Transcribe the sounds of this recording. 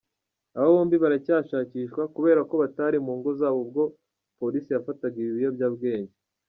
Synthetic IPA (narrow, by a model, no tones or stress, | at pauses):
aβaβoːmbiβaɾacaːʃaːciːʃkwakuβe̞ːɾako̞βataɾimuːŋɡo̞zaːβo̞b̚ɡo̞ | po̞ɾisijafataɡiβiβijo̞bjaːbɡe̞ːɲɟe